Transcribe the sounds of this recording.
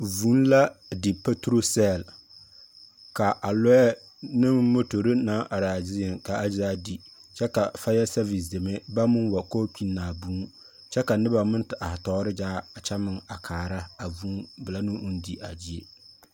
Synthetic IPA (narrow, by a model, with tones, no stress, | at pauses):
vu˨˦nla˦dɪ˨pa˦tɾo˦sɛ˦˨l | ka˨ʔa˨lʊ˦ɛ˦ | nɨ˦m˦mo˦to˨ɾɪ˦na˦ʔa˨ɾa˨zɪ˦ɪ˨ŋka˨ʔa˦zaː˦di˨t͡ʃɛ˦ka˨fa˦jɛ˦sɛ˦vi˨sde˨me˦ba˦mʊ˦nwa˨koː˦k͡pi˦nːaː˨bu˦ | t͡ʃɛ˦ka˨nɨ˦ba˨mɨ˦ntɪ˨ʔa˨htɔː˨˦ɾɪ˦d͡ʒaː˦a˨t͡ʃa˦mɪ˨ŋa˨kʰaː˨ɾa˦a˨vuː˦bɨ˨la˦nʊ˦ʔu˦n˦di˦ʔa˨d͡ʒi˦e˨